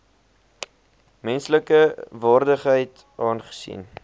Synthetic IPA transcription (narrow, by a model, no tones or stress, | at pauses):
mɛnsləkəvɑːrdəχɦəjt | ʔɑːnχə̥sḭn